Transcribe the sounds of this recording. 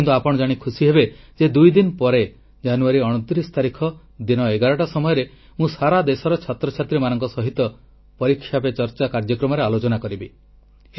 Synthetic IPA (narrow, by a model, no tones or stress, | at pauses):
int̪uapɔɽ̃ɔd͡ʒaɽ̃ikʰusiɦebed͡ʒed̪ujd̪inpɔɾe | d͡ʒanuaɾiɔɽ̃ot̪ɾist̪aɾikʰɔ | d̪inɔeɡaɾɔʈasɔmɔjɔɾe | mũsaɾad̪esɔɾɔt͡ʃʰat̪ɾɔt͡ʃʰat̪ɾimanɔŋkɔsɔɦit̪ɔ | pɔɾikʰːjapet͡ʃɔɾt͡ʃakaɾd͡ʒɔkɾɔmɔɾealot͡ʃɔnakɔɾibe